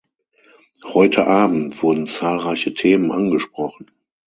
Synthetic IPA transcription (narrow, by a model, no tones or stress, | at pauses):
hɔʏtʰəʔaːbm̩tv̥ʊɐdn̩t͡saːlʁaɪçətʰeːmənʔanɡəʃpʁ̥ɔχn̩